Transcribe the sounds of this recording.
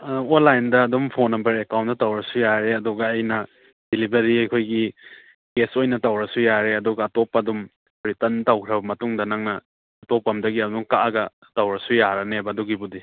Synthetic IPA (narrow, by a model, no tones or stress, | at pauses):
olajndɐːdumpʰonːɐmbɐɾekawntdɐtawɾɐsujaɾeɐduɡɐːjnɐ | d̥ilibɐɾiɐjkʰojɡi | ɡesojnɐtawɾɐsujaɾeɐduɡɐːtopːɐdum | bɾitɐntawkʰɾɐbɐmɐtuŋdɐnaŋnɐː | topːɐmdɐɡiɐduŋkaʔɡɐ | tawɾɐsujaɾɐnebɐduɡibudi